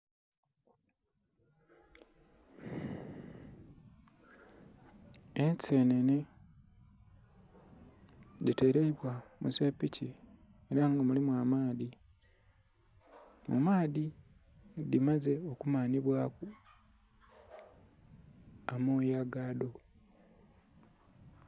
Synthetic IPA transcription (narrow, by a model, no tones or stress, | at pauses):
ense̞nene | ɟite̞ɾeiβwamuze̞ːpːici | eɾaŋɡamulimwaːmaːði | mṵmaːði | dimaze̞o̞kumaːniβwaːku | amoːjaɡaːdo